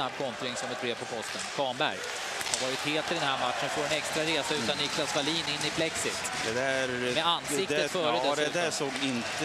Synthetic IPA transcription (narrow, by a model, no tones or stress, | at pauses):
ab̚ːkʰɔnt̪ɾɪŋsɔmɛt̪̚bɾeːvpʰɔpʰɔst̪ənkʰɑːɳbæ̰ɾj | haɾvɑːɾɪt̪heːlt̪ʰɪd̪ɛnɦæɾmat̪ʂənfɔːɾɛnɛkst̪ɾaɾeːsaʉ̟ːt̪anːɪkʰlasvaliːnɪnːɪpʰlɛksɪt̪ | d̪ɛd̪æɾmɛanːsɪk̪əfœːɾəd̪ɛɛd̪æsoːɡɪnt̪